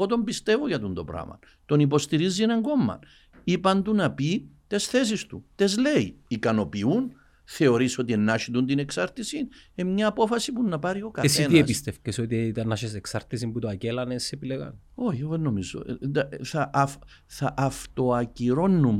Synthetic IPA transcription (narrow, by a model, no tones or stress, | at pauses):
o̞t̪o̞mbist̪e̞voʝɐt̪und̪o̞̰pɾɐ̰mɐ̰n | t̪o̞nipo̞st̪iɾizːienɐŋɡo̞mːɐ̰n | ipɐnt̪unɐpit̪e̞sθe̞s̬ist̪ut̪e̞zle̞iikɐno̞piun | θe̞o̞ɾiso̞t̪̬ienːɐʃit̪unt̪ine̞ksɐɾt̪isinemɲɐːpo̞fɐsipunːɐpɐɾio̞kɐθseniespist̪efcesot̪it̪ɐnːɐʃeseksɐɾt̪isimput̪oɐcelɐnesepileɣɐ̰n | o̞çeɣenːo̞mizo̰θɐʔf | θɐʔːft̪o̞ɐciɾo̞nːum